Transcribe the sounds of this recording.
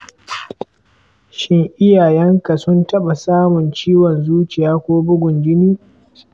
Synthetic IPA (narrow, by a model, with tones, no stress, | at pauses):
ʃɪ˦ŋʔɪ˦jaː˨jɛ˦ŋka˨sʊ˦ntɐ˦ɓa˨saː˦mʊ˨nt͡ʃiː˦wɔ˨nzuː˦t͡ʃɪ˨jaː˦kʷoː˦bʊ˦ɡʷʊ˨nd͡ʒɪ˦niː˦